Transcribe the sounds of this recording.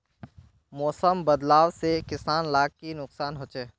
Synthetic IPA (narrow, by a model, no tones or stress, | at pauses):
mɔːsəmbəd̪laːʋsekɪsaːnlaːɡ̚kinʊqsaːnɦoːt͡ʃeː